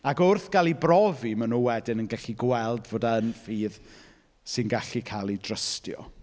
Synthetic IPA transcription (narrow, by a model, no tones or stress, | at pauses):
aɡʊrθɡ̥alˠibrɔvimənuwɛdɪnənɡɛɬiɡwɛlˠdvoːdaənfiːð | sɪnɡaɬikʰalˠidrəstjɔ̰